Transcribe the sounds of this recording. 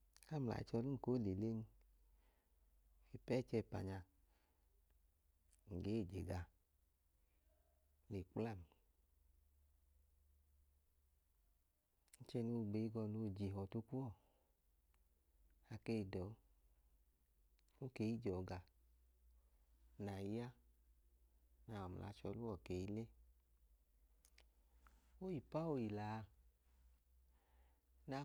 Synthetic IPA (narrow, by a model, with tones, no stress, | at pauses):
a˦m̩˨la̰˨ḭ˨t͡ʃɔ˧lu˦˨ko˨˦le˨le˦n˦ | e˨pɛ˦˨t͡ʃɛ˧˨pa̰˨ɲa˧ | ŋ̩˨ɡeː˨˦˨d͡ʒḛ˨ɡa˧ | le˨k͡pla˦˨m | n̩˦t͡ʃɛ˧no˧˦˨ɡ͡be˨˦i˦ɡɔ˧˨no˧˨d͡ʒi˨ɦɔ˨to˧kʷu˦ɔ˦˨ | a˨ke˧˨i˨dɔ˨˦ | o˦ke˨˦i˦d͡ʒɔ˨ɡa˨ | na˨i˦a˦ | na˨ɔ˨m̩˨la̰˨˧˦t͡ʃɔ̰˧˦lu˦ɔ˨ke˨i˦le˦ | o˦ji˨pa˦o˧i˨laː˨˦˧ | na˧